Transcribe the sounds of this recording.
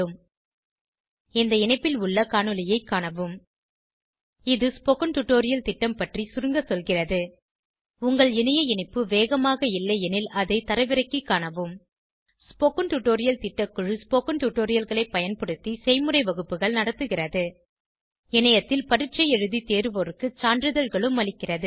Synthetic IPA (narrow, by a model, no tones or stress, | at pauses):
ɯm | ɛnd̪ɐɪɳɐɪpːɪlʊɭːɐkaːɳɯlɪjɐɪkːaːɳɐʋɯm | ɪðɯspokɐnʈuʈoːɾɪjɐlt̪ɪʈːɐmpɐʈrisʊɾɯŋɡɐsɔlɣɪrɐðɯ | ʊŋɡɐɭɪnɐjɐɪɳɐɪpːɯʋeːɣɐmaːɣɐɪlːɐjɛnɪlɐðɐɪt̪ɐɾɐɪʋɪɾɐɪkːikːaːɳɐʋɯm | spokɐnʈuʈːoːɾɪjɐlt̪ɪʈːɐkːɯɻɯspoːkɐnʈuʈːoːɾɪjɐlɣɐɭɐɪpːɐjɐnpɐɽɯt̪ːisɛɪmɯrɐɪʋɐɣɯpːɯɣɐɭnɐɽɐt̪ːɯɣɪrɐðɯ | ɪnɐjɐt̪ːɪlpɐɽɪʈt͡ʃɐɪɛɻɯðit̪eːɾɯʋɔɾɯkːɯt͡ʃaːɳdɾɯðɐɻɣɐɭɯmːɐɭɪkːɪrɐðɯ